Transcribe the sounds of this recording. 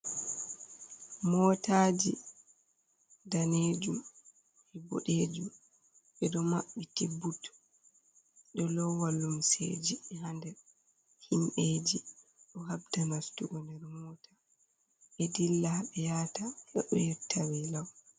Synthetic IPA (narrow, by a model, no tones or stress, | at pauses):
mɔtad͡ʒi | daneːd͡ʒum | ʔɛbɔ̰ɗeːd͡ʒum | ɓɛdɔmaɓːitibːutː | ɗɔlɔwalːumsḛd͡ʒiɛɦandɛ | hinɗeːd͡ʒiɗɔɦabdanastuɡɔndɛɾmɔːtʰḁ | ʔɛdilːaɓɛjaːtaʔɛʔɔjɛtʰawɛlaw